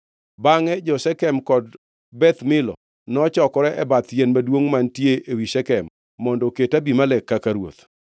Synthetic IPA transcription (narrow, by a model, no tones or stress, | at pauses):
baŋɛd͡ʒɔsɛkɛmkɔd | bɛt̪mɪlɔ̰ | nɔt͡ʃɔkɔɾɛʔɛbat̪jɛnmadwoŋmantjeʔewisɛkɛmː | ɔndɔketabimalɛkːakaɾwo̰t̪